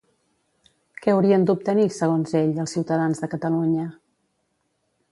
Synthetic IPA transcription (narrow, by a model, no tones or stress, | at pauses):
kɛəwɾiənd̪up̚t̪ənisəɣ̞onzeʎəlˠsiwt̪əðanzðəkət̪əluɲə